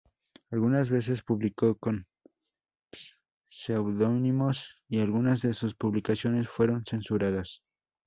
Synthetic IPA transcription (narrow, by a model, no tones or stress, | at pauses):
alɣunazβe̞s̬e̞spuβliko̞ko̞n | sewðo̞nimo̞sialɣunazðe̞suspuβlikasjo̞ne̞sfwe̞ɾo̞nse̞nsuɾaðas